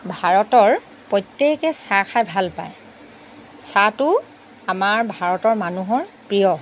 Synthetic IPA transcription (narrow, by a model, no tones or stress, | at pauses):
bʱaɹɔtɔɹ | pɹɔjtːekɛsaxʰajbʱalpa̰j | satʊ | amaɹbʱaɹɔtɔɹmanuɦɔɹpɹijɔ